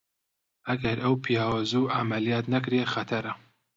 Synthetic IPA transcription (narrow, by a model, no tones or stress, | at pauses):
ʔɐɡɐɾɐwpʰijaːwazuːʔamɐlijaːt̪nɐkɾexɐt̪ʰɐɾɐ